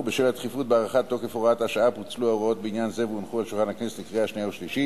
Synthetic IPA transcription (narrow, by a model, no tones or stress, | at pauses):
beʃelat̪χifut̚beaʁaχat̪ːokefoʁat̪aʃaaput͡sluaoʁot̪̚beinjanzevunχualʃulχanhakneset̪likʁeaʃnijauʃliʃi